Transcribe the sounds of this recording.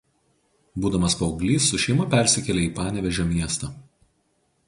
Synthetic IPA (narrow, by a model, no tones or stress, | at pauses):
buːd̪ɐmɐspɐʊɡlʲiːsːʊʃʲɛɪmɐpʲɛˑɾʲsʲɪkʲɛlʲeiːpɑːnʲɛʋʲɛʒʲomʲiɛst̪ɐː